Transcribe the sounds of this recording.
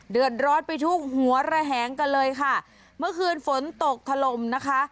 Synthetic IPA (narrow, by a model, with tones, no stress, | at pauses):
dɯ˨˩ət̪̚ɾɔː˦˥n̚pa˧jt̪ʰu˦˥˩k̚hu˩˦ɐɾa˧ɦɛː˩˦ŋka˧nlɤː˧jkʰa˥˩ | mɯ˥˩ɐkʰɯː˧nfo˩˦nt̪o˨˩k̚t̪ʰa˧lo˨˩mna˦˥kʰa˦˥ʔ